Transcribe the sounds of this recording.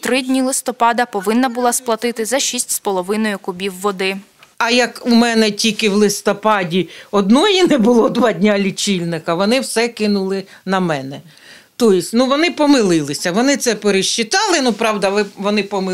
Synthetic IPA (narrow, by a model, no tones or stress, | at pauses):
t̪ɾɪdʲnʲilˠɪst̪ɔpɑd̪ɐpɔʋɪnːɐbʊlˠɑsplˠɐt̪ɪt̪ɪzɐʃisʲtʲspɔlˠɔʋɪnɔjʊkʊbʲiwːɔd̪ɪ | ɐjɐkumɛnɛtʲikɪwlˠɪst̪ɔpɑdʲiɔd̪nɔjinɛbʊlˠɔd̪ʋɑdʲnʲalʲit͡ʃʲilʲnɪkɐʋɔnɪwsɛkɪnʊlˠɪnɐmɛnɛ | t̪ɔjɪsʲtʲnuʋɔnɪpɔmɪlˠɪlˠɪsʲɐʋɔnɪt̪sɛpeɾeʃt͡ʃːɪt̪ɑlˠɪnupɾɑwd̪ɐʋɪʋɔnɪpɔm